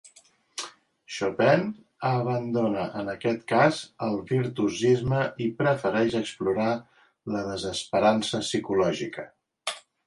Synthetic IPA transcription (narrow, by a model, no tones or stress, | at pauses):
ʃopɛn | əβ̞ənd̪onəʔənəkɛt̪kazəlˠβiɾt̪uzizməipɾəfəɾɛʃəkspluɾa | ləðəzəspəɾansəsikulɔʒikə